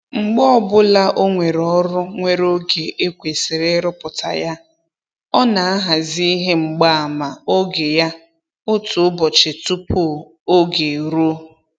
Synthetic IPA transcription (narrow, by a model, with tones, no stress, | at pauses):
ŋ͡m̩˨ɡ͡bɔ˦ɔ˦bʊ˦la˦ʔo˦ŋʷe˨ɾɔ˦ɾʊ˦ŋʷe˨ɾo˦ɡe˨ʔe˦kʷe˨sɪ˨ɾe˦ɾʊ˦pʊ˨tʰa̰˨ja˦ | ɔ˦na˨a˦ɦa˨zi˦ɦe˦ŋ͡m̩˨ɡ͡ba˦a˨ma˨o˦ɡe˨ja˦ | o˦tʊ˨ʊ˦bɔ˨t͡ʃɪ˨tu˦po˦˨ | o˦ɡe˨ɾo˦